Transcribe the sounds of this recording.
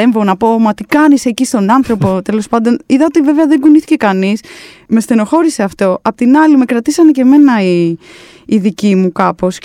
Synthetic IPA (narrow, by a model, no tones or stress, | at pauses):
eɱveonɐpo̞mɐt̪ikɐnisecist̪o̞nɐnθɾo̞po̞t̪e̞lo̞spɐnd̪o̞niðɐot̪ive̞veɐðeŋɡuniθi̥ce̞kɐnis | me̞st̪e̞no̞xo̞ɾise̞ɐft̪o̞ɐpot̪inɐlime̞kɾɐt̪isɐnece̞me̞nɐi | iðicimukɐpo̞s